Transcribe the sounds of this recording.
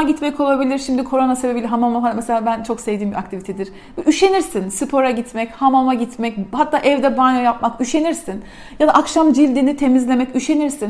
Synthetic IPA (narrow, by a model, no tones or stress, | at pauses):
ɟit̪mɛkʰo̞lˠabilʲiɾʃimd̪ikʰo̞ɾo̞nasebe̞bilʲiɦamamahanmeselʲaːbænt͡ʃʰo̞ksevd̪iːmbiak̚t̪ʰivit̪ʰɛd̪iɾ̥ | ɛʔyʃe̞niɾsinsɯpʰo̞ɾaɟit̪mɛchamamaɟit̪mɛc̚hat̪ːaːʔɛvd̪ɛbanojap̚makyʃe̞niɾsin | jad̪aʔakʃamd͡ʒilʲd̪init̪ʰe̞mizlʲe̞mɛcyʃe̞niɾsin